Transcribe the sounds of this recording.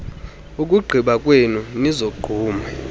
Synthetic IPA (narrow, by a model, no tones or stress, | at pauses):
ukʼuɡ͡ǃʱiɓakʼwenunizoɡ͡ǃ̥ʱuːma